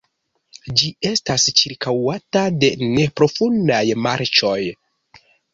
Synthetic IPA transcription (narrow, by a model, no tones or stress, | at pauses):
d͡ʒie̞stast͡ʃiɾkʰawatade̞ne̞pɾo̞fundajmaɾt͡ʃo̞j